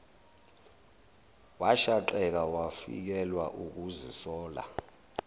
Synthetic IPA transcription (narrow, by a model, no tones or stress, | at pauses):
waʃaǃɛk̬awafḭk̬ɛlwaʔuk̬uzisɔːla̰